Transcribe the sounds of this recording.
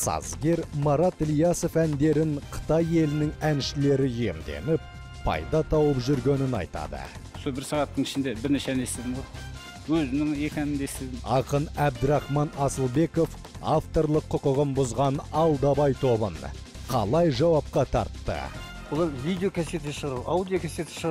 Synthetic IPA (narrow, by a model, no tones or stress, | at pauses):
sɑ̰zɡʲe̞ɾmɑɾɑt̪lijɑso̞fænd̪e̞ɾɪŋqʰə̥t̪ɑje̞lɪnɪŋænʃɪle̞ɾɪje̞̰md̪e̞̰nɪp̚ | pʰːɑ̰jd̪ɑt̪ʰɑwəpʒʏɾɡʲe̞nɪnɑ̰jt̪ɑ̰d̪ə̰ | sobɪɾsɑʁɑt̪ːəɴɪʃɪnd̪ebɪɾneʃeænest̪ed̪ɪmo | wɵzɪnɪŋe̞kʲænɪnd̪esɪzɪɑqənæb̚d̪ɪɾɑχmɑnɑsəlˠbe̞ko̞f | aft̪o̞ɾlˠəqʰːʊqəʁəmbʊzʁɑnɑlˠd̪ɑbɑjt̪ʰo̞bə̰n | qʰɑ̰lˠɑjʒɑwɑp̚qɑt̪ʰɑ̰ɾt̪ːə̰ | wolˠɑɾvʲijd̪eokʲʰæset̪ʃəʁɾawd̪ʲijokʲʰæset̪ɪ̥ʃəʁ